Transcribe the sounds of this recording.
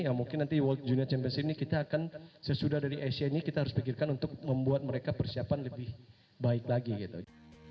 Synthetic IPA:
amuŋkɪnant̪iwɔlt̪̚d͡ʒuniat͡ʃɛmpiɛnsinikit̪aːkansəsudahdaɾiʔasanikit̪aɦaɾʊspikɪrkanunt̪ʊk̚məmbuat̪̚məɾekapərsiapanləbɪh | baɪklaɡiɡit̪ṵ

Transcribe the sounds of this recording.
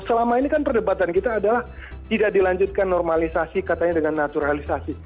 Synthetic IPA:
səlamainikanpərdəbat̪ankit̪aːdalah | t̪idak̚dilaɲd͡ʒʊt̪̚kanːɔrmalisasikat̪aɲadəŋanːat̪uɾalisasi

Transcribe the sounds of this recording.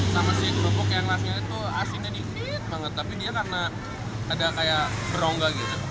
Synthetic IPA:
samasikunəpokeaŋlasɲait̪uasiɲadifɪt̪̚maŋət̪ːapidiakarənaː | dakajaʔbəɾoŋɡaɡit̪u

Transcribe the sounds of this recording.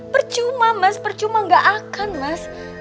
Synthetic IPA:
pərt͡ʃumamaspərt͡ʃumaŋɡaʔakanmas

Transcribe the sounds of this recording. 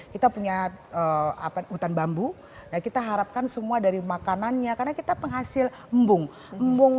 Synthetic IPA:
kit̪apuɲaəa̰paut̪anbambu | nakit̪aɦaɾap̚kansəmuadaɾimakananɲakarnakit̪apəŋɦasɪl | mbʊŋ | mbʊŋ

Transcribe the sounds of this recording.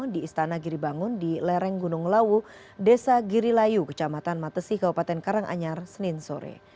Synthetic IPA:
diːst̪anaɡiɾibaŋʊndilɛɾɛŋɡunʊŋlawu | desaɡiɾilajukə̥t͡ʃamat̪anmat̪əsikabupat̪ɛnkaɾaŋʔa̰ɲarsənɪnsoɾɛ̰

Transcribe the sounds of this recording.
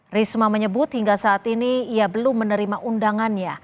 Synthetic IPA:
rismaməɲəbʊt̪hiŋɡasaːt̪iniːabəlʊmːənəɾimaʔundaŋanɲa

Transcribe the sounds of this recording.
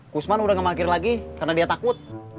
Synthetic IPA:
kusmanudahŋəmakɪrlaɡikarnadiat̪akʊt̪̚

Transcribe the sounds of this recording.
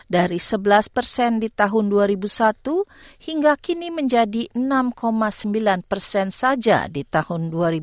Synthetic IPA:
daɾisəbəlaspərsɛndit̪aɦʊnduaɾibusat̪uhiŋɡakiniməɲd͡ʒadiʔənamkʰomasəmbilanpərsɛnsad͡ʒa̰dit̪ahʊnduaɾi

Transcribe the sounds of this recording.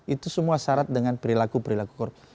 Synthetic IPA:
ʔit̪usəmuasaɾat̪̚dəŋanpəɾilakupəɾilakukɔr

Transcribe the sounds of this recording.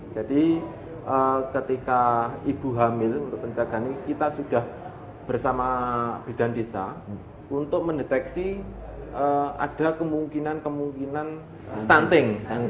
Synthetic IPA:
d͡ʒ̥ad̥i | ʔəkət̪ikaib̥ṳɦamɪlunt̪ʊk̚pəɲt͡ʃaɡ̥a̤nikit̪asud̥ah | b̥ərsamab̥id̥a̤ndesa̰ | unt̪ʊk̚məndet̪ɛksi | əa̰d̥a̤kəmuŋkinankəmuŋkinan | st̪ant̪ɪŋ

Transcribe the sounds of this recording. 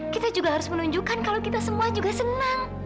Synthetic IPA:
kit̪ad͡ʒuɡaɦaɾʊsmənuɲd͡ʒukankalowkit̪asəmuad͡ʒuɡasənaŋ

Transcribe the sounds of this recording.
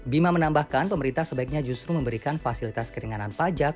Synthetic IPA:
bimamənambahkanpəməɾint̪ahsəbaik̚ɲad͡ʒust̪ɾuməmbəɾikanfasilit̪askəɾiŋananpad͡ʒak̚

